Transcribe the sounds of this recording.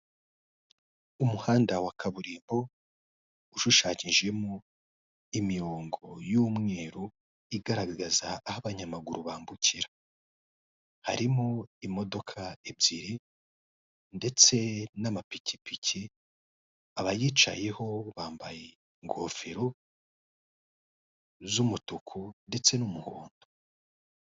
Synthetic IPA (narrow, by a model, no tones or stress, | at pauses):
umuhaːndawakʰaβuɾiːmbo̞ | uʃuʃaːɲiʒe̞mo | imiɾoːŋɡo̞juːmŋe̞ːɾo | iɡaɾaɡaɡazaːhaβaɲamaɡuɾuβaːmbucʰiɾa | ha̰ɾimoimo̞do̞kʰaibjiɾi | nde̞t͡se̞namapici̥picʰi | aβajit͡ʃa̰je̞ho̞βaːmba̰je | ŋɡo̰ːfeɾo | zumutukʰunde̞t͡se̞numuhoːndo̥